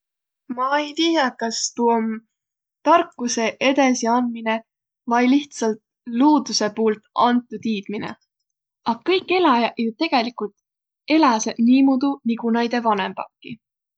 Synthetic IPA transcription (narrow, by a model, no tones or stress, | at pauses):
mɑejt̪ijɑkɑst̪uom | t̪ɑrkːˑuse̞ʔe̞d̪esiɑnmine̞ | vɑjliht̪sɑlt̪̚ | luːd̪̥use̞puːlt̪ɑnt̪ːˑut̪iːd̪̥minḛ | ʔɑɡ̥ɑkːɤjkːˑe̞lɑjɑʔjut̪e̞ɡ̥e̞likult̪ | e̞lɑsed̪̥niːmud̪uniɡunɑjd̪e̞vɑne̞mb̥ɑ̰kˑːi